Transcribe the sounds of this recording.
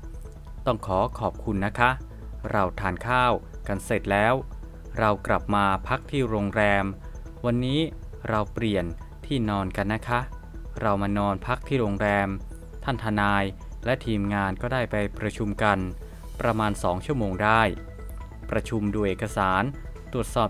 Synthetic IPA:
t̪ɔ˥˩ŋkʰɔː˩˦kʰɔː˨˩p̚kʰu˧nːa˦˥kʰa˦˥ʔ | ɾa˧wt̪ʰaː˨˩nkʰaː˥˩w | ka˧nse˨˩t̪̚lɛː˦˥w | ɾa˧wkla˨˩p̚maː˧pʰa˦˥k̚t̪ʰiː˥˩ɾoː˧ŋɾɛː˧m | wa˧nːiː˦˥ | ɾa˧wpli˨˩ən | t̪ʰiː˥˩nɔː˧nka˧nːa˦˥kʰa˦˥ʔ | ɾa˧wmaː˧nɔː˧npʰa˦˥k̚t̪ʰiː˥˩ɾoː˧ŋɾɛː˧m | t̪ʰa˥˩nt̪ʰa˧naː˧j | lɛ˦˥ʔt̪ʰiː˧mŋaː˧nkɔː˥˩daː˥˩jpa˧jpɾa˧t͡ɕʰu˧mka˧n | pɾa˧maː˧nsɔː˩˦ŋt͡ɕʰu˥˩əmoː˧ŋdaː˥˩j | pɾa˧t͡ɕʰu˧mdu˧jʔeː˨˩kʰːa˧saː˩˦nt̪u˨˩ət̪̚sɔː˨˩p̚

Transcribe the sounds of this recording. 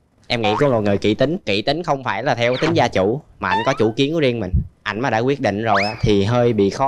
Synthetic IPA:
ʔɛ˧mŋḭ˧˥ku˧˦mo˨˩t̚ŋɨ˨˩jkḭ˧˥t̪ï˨˦ŋ̟kḭ˧˨t̪i˨˦ŋ̟xə˧wŋ͡mfaː˧˩jlaː˨˩t̪ʰɛ˧wt̪ï˨˦ŋ̟zaː˧t͡ɕu˧˩maː˨˩ʔa˧jŋkɔ˨˦t͡ɕṵ˧˩ki˨˦ənku˧˦zi˧ənmï˨˩ŋ̟ʔa˧jŋ̟maː˨˩ɗa̰ː˧˥kwi˦˥ət̚ɗḭ˧˨ŋ̟zo˨˩jʔaː˨˦˥t̪ʰi˨˩ɦəː˧jɓḭ˧˨xɔ˨˦

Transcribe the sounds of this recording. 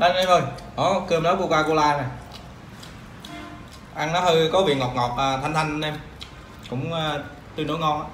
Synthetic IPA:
ɗa˨˧˩jnə˨˧˦jvə˧˩jʔɔ˨˩kɨ˧əmnɔ˨˦˥ku˧əkwaː˧ku˧laː˧naː˨˩ | ʔa˧ŋnɔ˨˦həː˧jkɔ˨˦vḭ˨˩əŋɔ˨˩k͡p̚ŋɔ˨˩p̚aː˨˩t̪ʰa˧jŋt̪ʰa˧ŋ̟˧ʔɛ˧m | kʊ̰˧˥ŋ͡mə˧˩ | t̪ɨ˧˩no̰˧˥˦jŋɔ˧n˧

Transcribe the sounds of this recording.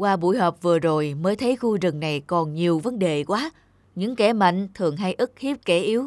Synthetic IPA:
kwaː˧ɓṵ˧˩˨jɦɔː˨˩p̚vɨ˨˩əzo˨˩jməː˨˦jt̪ʰə˨˦jxu˧zɨ˨˩ŋna˨˩jkɔ˨˩nɲi˨˩əwvə˨˦nɗe˨˩kwaː˨˦ | ɲɨ̰˧˥ŋkɛ˧˩ma̰˧˨ŋ̟t̪ʰɨ˨˩əŋɦa˧jʔɨ˦˥k̚hi˦˥p̚ke˧˩ʔi˨˦əw

